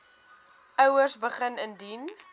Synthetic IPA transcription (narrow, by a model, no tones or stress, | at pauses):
œwərsbəχənəndin